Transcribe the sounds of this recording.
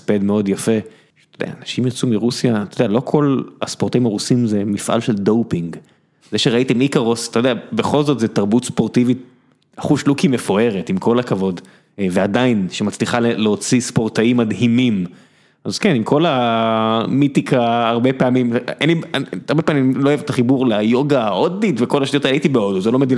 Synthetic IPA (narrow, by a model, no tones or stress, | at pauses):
spedmeo̞djafe̞ | tod̪ḛa̰anaʃimjat͡sumiʁusjat̪od̪ɛalo̞kʰo̞la̰spoʁt̪aimaʁusimzemifʔa̰lʃeldo̞wpiŋɡ | zeʃeʁaitamikaʁost̪aojd̪eabeχo̞lzot̪zet̪aʁbutspo̞ʁt̪ivi | aχuʃlukimefoe̞ʁetimkʰo̞lakavo̞d | vead̪ainʃemat͡sliχaleleot͡sispo̞ʁt̪aimːad̪himim | az̥kenimkʰo̞la | mitikaːʁbe̞peamimeniaaʁbe̞pamimloːevet̪aχibuʁlajo̞ɡaoditveko̞laʃtiot̪aaitibeo̞duzelo̞med̪il